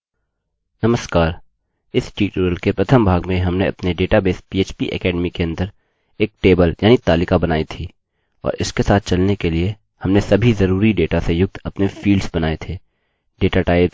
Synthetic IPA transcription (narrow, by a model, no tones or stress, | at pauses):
nɐməskaːɾ | ɪsʈiːʈəɾəlkepɾɐt̪ʰəmbʱaːɡmẽɦɐmneʔɐ̰pneɖeːʈabeːspiːeːt͡ʃpiʔɛ̰kɛːɖmikeɐ̃nd̪əɾ | eːk̚ʈeːbəljaːnit̪aːlɪkabɐnaːit̪ʰiː | ɔ̰ːɾɪskesaːt̪̚ʰt͡ʃɐlnekelie | hɐmnesɐbʱizɐɾuːɾiɖeːʈasejʊɡ̚t̪ɐpnefiːlɖsbɐnaːet̪ʰeː | ɖeːʈaʈaːɪp